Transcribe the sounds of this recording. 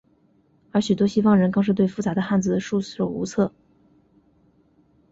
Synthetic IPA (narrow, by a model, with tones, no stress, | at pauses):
ə˞˧˥ɕy˨˩t̪wɔ˥ɕi˥fɑ˥˩ŋɻə˧˥nkɤ˥˧ŋʂɻ̩˥˧t̪we˥˩ɪfu˥˩t͡sa˧˥d̪ə˧xa˥˩nd͡z̩˨˩d̪ə˩ʂu˥˧s̩˥˩o̰˨˩ʊṵ˧˥t͡sʰɤ˥˩